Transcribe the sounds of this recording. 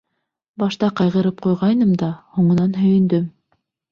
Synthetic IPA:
bɑʃt̪ɑqɑjʁɤ̆ɾɤp̚qojʁɑjnɤmd̪ɑhoɴŏnɑnɦɵ̆jɘ̆nd̪ɵm

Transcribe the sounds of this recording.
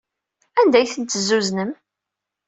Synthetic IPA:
ænd̪æjθənt̪ːəzːuznəm

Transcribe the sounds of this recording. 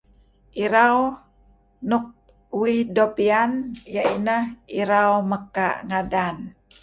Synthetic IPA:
ʔiɾaw | nuk̚ | wihdopianjainəhiɾawməka̰ʔŋadan

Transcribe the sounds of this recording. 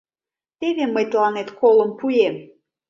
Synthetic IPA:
t̪eβeməjt̪lˠɑnet̪kolə̆mpujem

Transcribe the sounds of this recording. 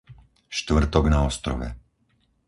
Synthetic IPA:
ʃt̪ʋr̩t̪ɔɡnaɔst̪ɾɔ̰ʋɛ̰

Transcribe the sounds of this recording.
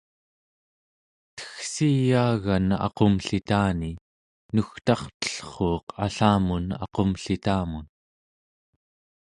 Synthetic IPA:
t̪ə̥xsijaːɣanɑ̰qomɬit̪aːni | nuxt̪ɑχt̪ə̥ɬχoːqʰa̰ɬaːmunɑ̰qomɬit̪aːmun

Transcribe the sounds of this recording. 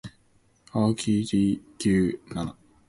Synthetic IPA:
aːkʲʰiːt̪iːkʲɯːnana

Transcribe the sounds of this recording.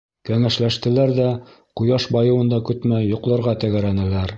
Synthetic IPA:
kæŋæʃlæʃt̪ɘ̆læɾðæ | qŭjɑʃbɑjɤ̆wɤ̆nd̪ɑkɵ̆t̪mæjoqlˠɤ̆ɾʁɑt̪æɡæɾænɘ̆læɾ

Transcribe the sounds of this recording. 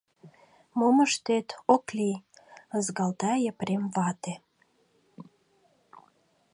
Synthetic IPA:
moməʃt̪et̪okliəzɡɑlt̪æjəpremvɑt̪e

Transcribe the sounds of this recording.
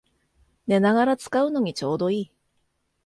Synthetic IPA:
ne̞naɣaɾat͡sɨ̥kaɯ̟no̞ɲ̟it͡ɕo̞ːd̪o̞iː

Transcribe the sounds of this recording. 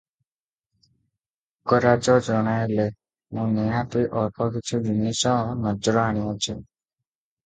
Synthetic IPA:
kɔɾad͡ʒɔd͡ʒɔɽ̃aele | mũnejãt̪iʔɔɾpʰɔkit͡ʃʰud͡ʒunisɔ̃nɔd͡ʒɾɔaɽ̃iũt͡ʃʰu

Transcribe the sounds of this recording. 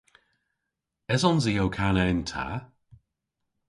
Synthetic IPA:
ɛzɔnzijowkʰanɛɪntʰa̰

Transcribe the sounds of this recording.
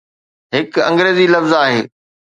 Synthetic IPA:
ɦɪkɐ̰̃ŋɡɾeːzilɐfzaːɦḛː

